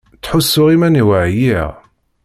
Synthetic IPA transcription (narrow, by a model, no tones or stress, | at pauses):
t͡sːħusːʊʁimæniwaʕjiʁ